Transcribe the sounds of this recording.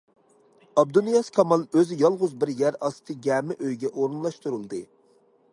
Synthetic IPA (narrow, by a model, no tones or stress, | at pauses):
ɑb̚d̪unijɑskʰɑmɑlˠøzɪjɑlˠʁʊzbɪɾjæɾɑst̪ʰɨɡʲɛːmɪʔøjɡʲɛʔoɾɨnlˠɑʃt̪uɾulˠd̪ɨ